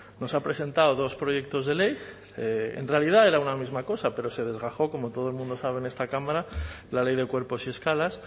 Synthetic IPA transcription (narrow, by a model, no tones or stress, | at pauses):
no̞sapɾe̞se̞nt̪aoðo̞spɾo̞ʝe̞k̚t̪o̞zðe̞le̞j | eḛnrealið̞ae̞ɾaunamizmako̞sape̞ɾo̞se̞ð̞e̞zɣaxo̞ko̞mo̞t̪o̞ð̞olmũnd̪o̞saβ̞ene̞st̪akamaɾa | lale̞jðe̞kwe̞ɾpo̞sie̞skalas